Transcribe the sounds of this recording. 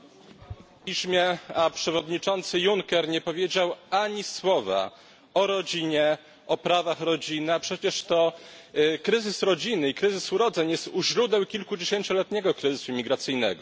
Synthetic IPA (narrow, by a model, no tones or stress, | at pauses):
pʲiɕmʲjɛapʂɛvɔd̪ɲit͡ʂɔnt̪sɘjuŋkɛɾɲɛpɔvʲjed͡ʑawaɲiswɔva̰ | ɔɾɔd͡ʑiɲɛ | ʔɔpɾavaxɾɔd͡ʑinɘapʂɛt͡ɕɛʂt̪ɔ | kɾɘzɘsɾɔd͡ʑinɘikɾɘzɘsuɾɔd̪zɛɲjɛst̪uʑɾud̪ɛwkʲilkud͡ʑeɕeɲt͡ɕɔlɛt̪̚ɲɛɡɔkɾɨzɘsuimʲiɡɾat̪sɘjnɛ̰ɡɔ